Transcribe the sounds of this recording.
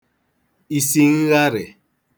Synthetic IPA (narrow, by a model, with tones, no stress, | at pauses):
i˨si˦ŋ̩˦ɣa˦ɾɪ˨